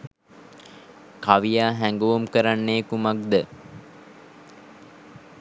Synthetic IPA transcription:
kaʋijaːɦæŋɡuʋumkəɾanːeːkumak̚d̪ə

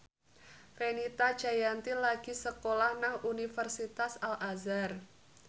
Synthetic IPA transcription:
fenit̪ad̥ʒ̥a̤jant̪ilaɡ̥i̤səkolahnahunifərsit̪asalʔazar

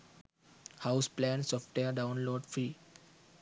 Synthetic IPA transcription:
haʊsplæ̃nsɔːfʈʋeəɾɖãʊ̃nloːɖfɾiː

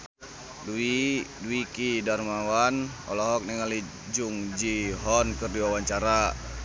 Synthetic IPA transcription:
duikidarmawan | ɔ̰lɔɦɔk̚nɛŋali | d͡ʒuŋd͡ʒiɦɔnkɨrdiwawaɲt͡ʃaɾa

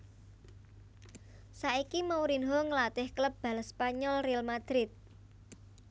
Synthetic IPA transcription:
saʔikimawɾinɦɔŋəlat̪ɪhkləp̚b̥a̤lspaɲɔlrialmad̪̥ɾɪt̪̚

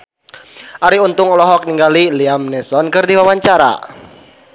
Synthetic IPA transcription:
ʔaɾiunt̪ʊŋɔlɔɦɔk̚niŋɡaliliamnɛsɔnkɨrdiwawaɲt͡ʃaɾa̰

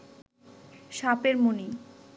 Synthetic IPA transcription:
ʃapeɾmuni

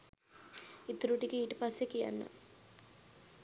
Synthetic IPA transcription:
it̪uɾuʈikəiːʈəpasːekija̰nːə̰

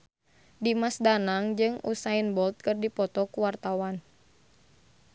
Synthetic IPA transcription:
dimasdanaŋd͡ʒɨŋṵsainbɔlt̪̚kɨrdipɔt̪ɔkuwart̪awan

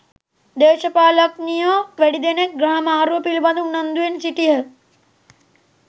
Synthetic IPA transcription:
d̪eːʃɐpaːlɐknijoʋeɽid̪enek̚ɡɾɐɳɐmaːɾupilbɐnd̪unːɐnd̪uensiʈiɦɐ

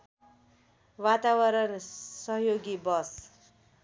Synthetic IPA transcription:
wat̪awʌɾʌnsʌɦjoɡibʌs

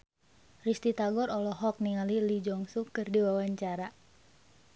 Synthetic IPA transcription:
rist̪it̪aɡɔɾɔlɔɦɔk̚niŋalilid͡ʒɔŋsukɨrdiwawaɲt͡ʃaɾa

